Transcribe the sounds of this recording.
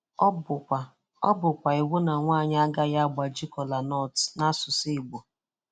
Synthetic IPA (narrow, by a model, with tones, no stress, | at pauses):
bʷa˨ | ɔ̰˦bʊ˨kʷa˨i˨wʊ˦na˨ŋʷaː˦˨ɲ˦a˦ɡa˦ja˦ɡ͡ba˨d͡ʒi˦kɔ˨la˨nɔ˦˨tna˦sʊ˨si˦˨ɡ͡bo˨